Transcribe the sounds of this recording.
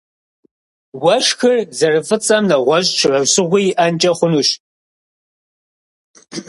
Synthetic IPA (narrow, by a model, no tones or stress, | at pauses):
wɐʂxɨrzɐrɨfɨt͡sʼɐmnɐʁʷɔʑʼʈ͡ʂʰrɐwsɨʁʷiʔɐnt͡ʃʼɐχʷʊnuʃ